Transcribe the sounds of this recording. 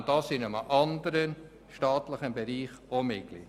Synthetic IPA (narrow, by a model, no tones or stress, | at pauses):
d̥ɑsɪnəməʔɑnd̪əɾən | ʃtɑːt̪ləχənbeɾiːχomɪklḭd